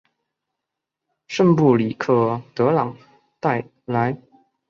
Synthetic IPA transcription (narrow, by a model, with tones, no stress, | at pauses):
ʂə˥˧npu˥˩li˨˩kʰɤ˥˩t̪ɤ˧˥lɑ˨˩˦ŋ | t̪a˥˩ɪ | la˧˥ɪ